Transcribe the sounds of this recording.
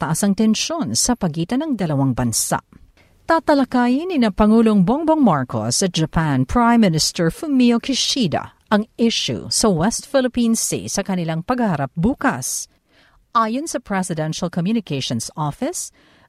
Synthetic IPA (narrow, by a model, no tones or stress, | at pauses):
t̪ɐʔasɐŋt̪ɛnʃo̞nsɐpɐɡiːt̪ɐnɐŋd̪ɐlɐwaŋbɐnsa̰ʔ | t̪aːt̪ɐlɐkaːjɪnɪnɐpɐŋuːloŋboŋboŋmaɹko̰sːɐd͡ʒɐpʰanpʰɹajmːɪnɪst̪ɛɹfumiokɪʃid̪ɐ̰ | ʔɐŋɪʃṵsɐwɛst̪fɪlɪpĩnsḭsɐkɐnɪlaŋpɐɡhɐhɐɾap̚buːkɐs | ʔaːjonsɐpɹɛsɪd̪ɛnʃɐlkomjunɪkejʃonsʔɔfɪs